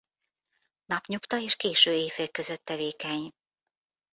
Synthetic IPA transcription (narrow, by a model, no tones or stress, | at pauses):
nɒpɲukt̪ɒeːʃkeːʃøːeːfekːø̞zøt̪ːɛveːkɛɲ